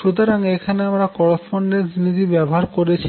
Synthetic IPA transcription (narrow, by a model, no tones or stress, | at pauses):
ʃut̪̬oɾaŋekʰaneamɾakɔɾesponɖensnit̪ibɛboɦaɾkoɾet͡ɕʰi̥